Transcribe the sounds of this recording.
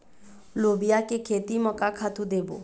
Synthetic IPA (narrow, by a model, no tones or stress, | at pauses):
lobijakekʰet̪imɔkakʰat̪ũd̪ebo̰